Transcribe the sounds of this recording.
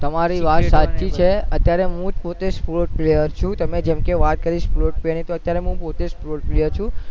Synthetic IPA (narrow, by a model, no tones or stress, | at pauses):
t̪əmaɾiʋat̪sat͡ʃit͡ʃʰeət̪jaɾeɦũd͡ʒpot̪espuloʈ̚plejəɾt͡ʃʰũt̪əmed͡ʒɛmkeʋat̪̚kəɾiʃfuloʈ̚plejəɾnit̪oət̪jaɾeɦũpot̪espuloʈplejəɾt͡ʃʰũ